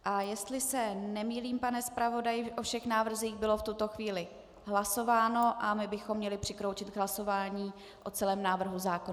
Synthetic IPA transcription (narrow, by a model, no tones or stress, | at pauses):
ʔajɛst̪lɪsɛnɛmiːliːmpanɛspɾavo̞dajɪʔo̞fʃɛxnaːvr̩ziːxbɪlo̞ft̪ut̪o̞xviːlɪ | ɦlaso̞vaːno̞ʔamɪbɪxomːɲɛlɪpr̝̥ɪkɾowt͡ʃɪd̪ɦlaso̞vaːɲiː | ʔo̞t͡sɛlɛːmnaːvr̩ɦuzaːkon